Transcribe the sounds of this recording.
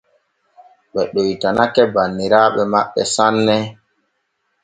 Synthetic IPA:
ɓɛɗojtanakɛbanːiɾaɓɛmaɓːɛsanːɛ

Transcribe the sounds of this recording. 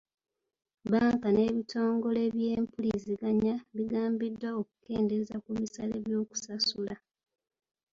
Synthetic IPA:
baːŋkane̞ːβito̞ːŋɡo̞le̞βje̞ːmpuliziɡaɲaβiɡaːmbidːaokuke̞ːnde̞zakuβisaleβjo̞ːku̥sasula

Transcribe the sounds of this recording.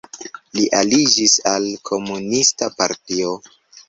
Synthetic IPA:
liʔalid͡ʒisalkʰo̞munistapaɾtio

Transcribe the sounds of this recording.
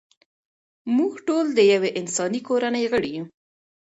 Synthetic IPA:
muɡʈold̪əjaweʔɪnsɑnikoɾanəjɣəɽiju

